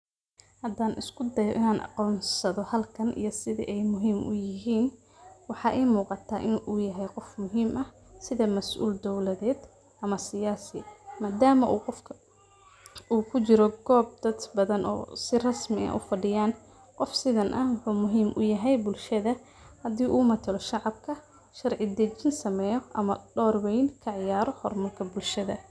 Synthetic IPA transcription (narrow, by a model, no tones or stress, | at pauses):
hɐd̪aːnʔɪ̰skʰʊd̪ɐjɔ̰ʔɪnaːnʔɑ̰qɔːnsɐðɔhɐlkʰɐnʔḭjɞsɪðɪ̰ʔɛjmʊɦiːmʔʊ̰jɪɦiːn | wɑħɑːʔɛːmuːqɑt̪ʰaːʔɪnʔuːjɐɦɛjqɔfmʊɦiːmʔɐh | sɪðɐmɐsʔṵːld̪ɔwlɐðɛːd̪ | ʔɐmɐsɪjaːsɪmaːd̪aːmɐʔuːqɔfkʰɐ | uːkʰʊt͡ʃɪɾɔɡ̥ɔːb̚d̪̥ɐd̪bɐðɐnʔɔ̰ːsɪrɐsmɪɐ̰ʔʊ̰fɐɖɪjaːn | qɔfsɪðɐnʔɐhwʊħʊːmʊɦiːmʔʊ̰jɐɦɛjbʊlʃɐðɐ | hɐd̪iːʔuːmɐt̪ʰɐlɔʃɑʕɑb̚kʰɐ | ʃɐrʕɪd̪ɛt͡ʃɪnsɐmɛːjɔʔɐmɐɖɔːrwɛjnkʰɐʕɪjaːɾɔhɔrmɐrkʰɐbʊlʃɐðɐ̰